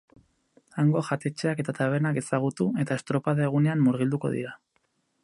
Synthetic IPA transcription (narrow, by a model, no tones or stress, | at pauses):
aŋɡo̞xat̪e̞t͡ʃe̞ake̞t̪at̪aβ̞e̞ɾnake̞saɣ̞ut̪ue̞t̪ae̞st̪ɾo̞paðaeɣ̞une̞amːuɾɣ̞ild̪uko̞̰ðḭɾa